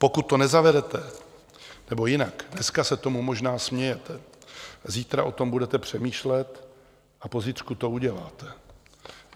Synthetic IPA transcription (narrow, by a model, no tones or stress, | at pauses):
po̞kut̪ːo̞nɛzavɛɾɛt̪ɛ | nɛbo̞jɪnakdnɛskasɛt̪o̞mumo̞ʒnaːsmɲɛjɛt̪ʰɛ | ziːt̪ɾa̰ʔo̞t̪o̞mbudɛt̪ɛpr̝̥ɛmiːʃlɛt̪ | ʔapo̞zɪt̪rkut̪o̞uɟɛla̰ːt̪ɛ